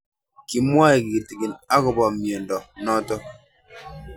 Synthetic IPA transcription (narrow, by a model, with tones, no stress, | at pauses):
ki˨mwa˦e˨ki˨ɡi˨ti˨ki˨na˦kɔ˨bɔ˨mjo˨ndɔ˨nɔ˦tɔ˦